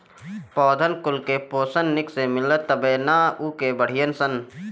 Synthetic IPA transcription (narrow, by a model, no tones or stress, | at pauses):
pɔːd̪ʱənkʊlkepoːsənːɪksemɪlət̪ːəbeːnaːuːkebəɽ̤ɪjənsən